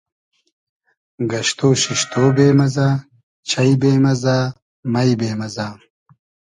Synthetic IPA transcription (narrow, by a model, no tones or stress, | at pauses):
ɡɐɕt̪oːɕiɕt̪oːbeːmɐzaː | t͡ɕʰɐjbeːmɐzaː | mɐjbeːmɐzaː